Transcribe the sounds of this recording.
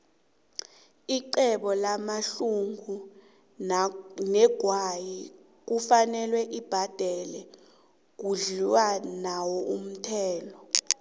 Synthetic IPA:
iǃɛɓɔlamaɬuŋu | nɛɡ̥ʱwaji | k̬ufanɛlwɛʔib̥ʱad̥ʱɛlɛ | k̬uɮiwanawɔʔum̩tʰɛːlɔ

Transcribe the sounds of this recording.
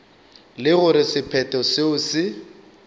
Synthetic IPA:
lɪɣʊɾɪsɪpʰɛtʼɔsɪʊsɪ

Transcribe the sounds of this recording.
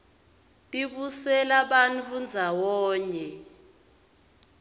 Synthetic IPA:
tʼiɓusɛlaɓant͡fund͡zʱawɔːɲɛ

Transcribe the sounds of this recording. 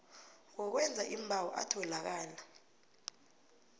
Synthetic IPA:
ŋkɔk̬wɛnd͡zʱaʔimbʱawɔʔa̰tʰɔlak̬aːla

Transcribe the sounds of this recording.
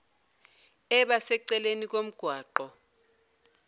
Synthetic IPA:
ɛɓasɛǀɛlenik̬om̩ɡ̥ʱwaːǃɔ

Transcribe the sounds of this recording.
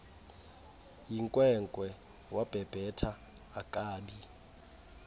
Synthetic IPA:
jiŋkʼwɛŋkʼwɛ | wab̥ʱɛb̥ʱɛtʰaː | kʼaːɓi

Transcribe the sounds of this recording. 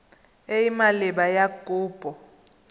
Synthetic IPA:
eimalɛɓajaɡ̥ʱʼuːb̥ʱʼɔ

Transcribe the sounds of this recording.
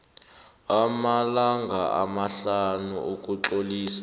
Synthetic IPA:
amalaŋɡʱaʔa̰maɬanuuk̬ʼuǁoliːsḁ

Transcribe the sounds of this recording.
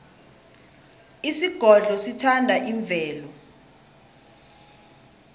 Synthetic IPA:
isiɡ̥ʱɔɮɔsitʰandʱaʔiɱb̪vʱɛːlɔ

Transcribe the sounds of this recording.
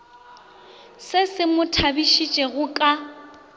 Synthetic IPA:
sɪsɪmʊtʰabiʃit͡ʃʼɛɣʊkʼa

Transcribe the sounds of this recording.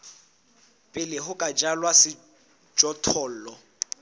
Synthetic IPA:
pʼɪlɪɦʊkʼad͡ʒalwasɪ | d͡ʒɔtʰɔːl̩lɔ

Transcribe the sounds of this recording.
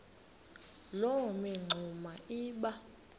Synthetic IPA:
lomɛŋ͡ǀʱumaiːɓa

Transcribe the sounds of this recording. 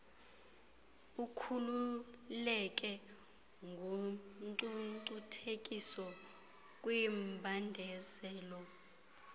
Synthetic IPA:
ukʰululɛk̬ʼɛ | ŋɡʱuǀuǀutʰekʼisɔ | k̬ʼwimbʱandʱɛsɛːlɔ

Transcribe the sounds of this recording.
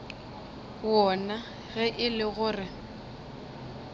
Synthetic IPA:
wɔna | ɣɛʔɪlɪɣʊrɪ

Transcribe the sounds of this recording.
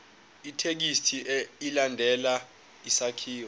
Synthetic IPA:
itʰek̬istʰiilandʱɛla | isakʰiːwɔ

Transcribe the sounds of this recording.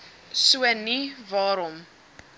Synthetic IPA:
suənivɑːɾɔm

